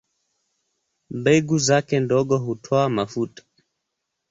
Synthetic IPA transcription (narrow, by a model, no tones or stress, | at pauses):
m̩bɛɡuzakɛndɔɡɔɦutʰɔamafutʼḁ